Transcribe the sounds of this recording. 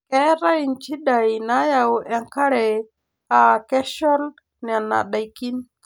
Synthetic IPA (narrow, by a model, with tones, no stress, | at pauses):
ke˦ɾa˦ji˨nt͡ʃi˦ɗa˨jna˦ja˨wa˨ŋka˦ɾe˨ | a˨ke˦ʃɔ˦l | ni˨a˨nːa̰˨ɗa˨jki˦n